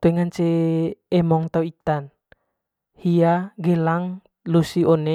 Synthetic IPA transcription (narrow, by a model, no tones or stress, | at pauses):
t̪uɛŋant͡ʃeː | mɔŋt̪auit̪an | hiaɡɛlaŋ | lusiɔne